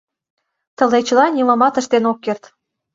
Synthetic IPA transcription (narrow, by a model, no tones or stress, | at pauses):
t̪ə̆let͡ɕəlɑnʲimə̆mɑt̪ə̆ʃt̪enokːert̪